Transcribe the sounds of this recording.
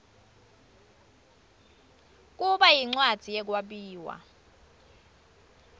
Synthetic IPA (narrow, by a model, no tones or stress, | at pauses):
k̬ʼuɓajiŋ͡ǀwad̥z̥ʱijɛk̬waɓiːwa̰